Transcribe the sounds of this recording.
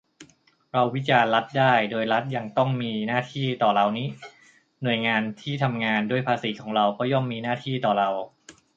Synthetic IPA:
ɾa˧wːi˦˥t͡ɕaː˧nla˦˥t̪̚daː˥˩jdoː˧jɾa˦˥t̪̚ja˧ŋt̪ɔ˥˩ŋmiː˧naː˥˩t̪ʰiː˥˩t̪ɔː˨˩ɾa˧wniː˦˥ | nu˨˩əjŋaː˧nt̪ʰiː˥˩t̪ʰa˧mŋaː˧ndu˥˩əjpʰaː˧siː˩˦kʰɔː˩˦ŋɾa˧wkʰɔ˦˥jɔ˧˩mːiː˧naː˥˩t̪ʰiː˥˩t̪ɔː˨˩ɾa˧w

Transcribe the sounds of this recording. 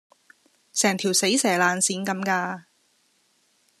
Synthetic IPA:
sɛː˨˩ŋt̪ʰiː˨˩wse˨˥jsɛː˨˩laː˨nsiː˨˥nkɐ˨˦mkaː˧

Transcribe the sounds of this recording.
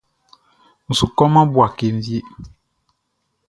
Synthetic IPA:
n̩˨su˨kɔ˦mã˦bu˨a˨ke˨m˦vi˦e˦

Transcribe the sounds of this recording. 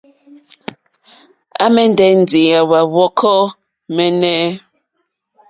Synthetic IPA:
a̰˦mɛ˦n˦dɛ˨n̩˨di˨a˨wa˨wɔ˦kʰɔ˦ | mɛ˦nɛ˦

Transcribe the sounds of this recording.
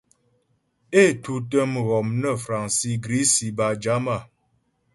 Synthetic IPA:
e˦˨tu˨tə˦mɣɔ˨mnə˦˨fɾa˨ŋsi˦ɡɾi˦si˨ba˨d͡ʒa˨˦ma˦˨

